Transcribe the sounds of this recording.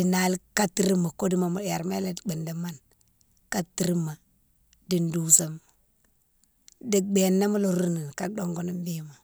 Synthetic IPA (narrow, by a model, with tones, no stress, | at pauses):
i˨na˨lka˦ti˦ɾi˦ma˨ko˦di˦ma˨mu˨dja˨ɾme˦le˦dbi˨nda˨ma˦n | ka˦tːi˦ɾi˦mːa˨ | di˨ndu˨sa˨m | di˨ɡ͡be˨nːa˦mu˦lo˨ɾu˦ni˨n˨ka˦do˦ŋɡo˦ni˦mbi˦ma˨